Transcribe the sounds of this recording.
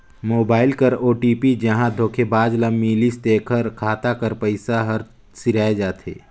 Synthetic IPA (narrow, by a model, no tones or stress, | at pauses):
moːbaːɪlkɐɾoːʈiːpid͡ʒɐɦãd̪ʱoːkʰebaːd͡ʒləmːilist̪eːkʰəɾkʰaːt̪akɐɾpəɪsaɦɐɾ | sɪɾaːed͡ʒaːt̪ʰḛː